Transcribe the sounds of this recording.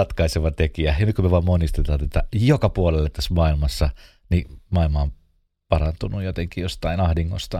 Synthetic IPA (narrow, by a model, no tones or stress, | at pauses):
ɑt̪kɑiseʋɑt̪ekiæjɑnykymeʋɑmːonist̪et̪ɑt̪et̪ːɑjokɑpuolelːet̪ːæsmɑilmɑsːɑ | nimɑilmɑom | pɑrɑnt̪unujot̪eŋkijost̪ɑinɑhdiŋːo̰st̪ɑ